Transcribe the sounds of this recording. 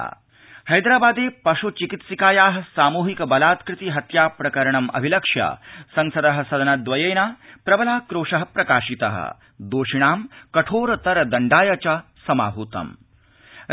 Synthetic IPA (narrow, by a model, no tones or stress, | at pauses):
hɐjd̪ɾaːbaːd̪eːpɐʃut͡ʃikit̪sikaːjaːɦɐ̆saːmuːɦikɐbɐlaːt̪kɾɪt̪iɦɐt̪jaːpɾɐkɐɾɐɳɐmʔɐ̰bʱilɐkʂjɐ̰sɐ̃ŋsɐd̪ɐɦɐ̆sɐd̪ʱɐnɐd̪ʋɐjɐjnaːpɾɐbɐlaːkɾoːʂɐɦɐpɾɐkaːʃit̪ɐ̰ɦɐ̰ | d̪oːʂiɳ̃aːmkɐʈʰoːɾɐt̪ɐɾɐd̪ɐɳɖaːjɐt͡ʃɐsɐma̰ːɦuːt̪ɐ̰m